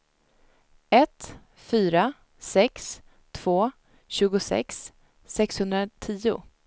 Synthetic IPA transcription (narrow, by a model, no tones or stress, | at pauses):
ɛt̪ | fyːɾa | sɛks | t̪ʰv̥oː | ɕʉ̟ːɡʊsɛ̰ksː | ɛkshɵnd̪ɾat̪ʰiːʊ̰